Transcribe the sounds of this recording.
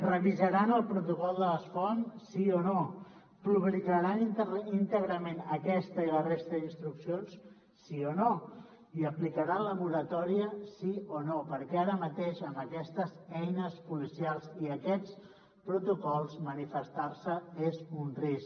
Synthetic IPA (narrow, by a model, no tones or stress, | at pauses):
rəβizəɾanəlˠpɾut̪ukɔlˠd̪ələsfɔnsiono | puβlikəɾanint̪əɣɾəmenəkɛst̪əilərest̪əðinst̪ɾuksionsː | iono | iəplikəɾaləβuɾət̪ɔɾiəsionopəɾkɛaɾəmət̪eʃəmbəkɛst̪əzɛjnəspulisialˠsiəkɛt͡s | pɾut̪ukɔlˠzmənifəst̪arsəezunris